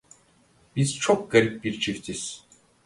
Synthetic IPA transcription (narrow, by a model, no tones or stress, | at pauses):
b̥iz̥t͡ʃʰɔk̚ɡaɾip̚biɾt͡ʃʰift̪ʰis